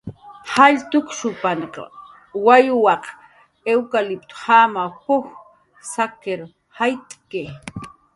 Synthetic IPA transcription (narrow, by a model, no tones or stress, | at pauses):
haʎt̪ʊkʃʊpanqɑ̰ | wajwɑq | ewkalɪp̚t̪hamapʊx | sakeɾ | hajt̪ʼke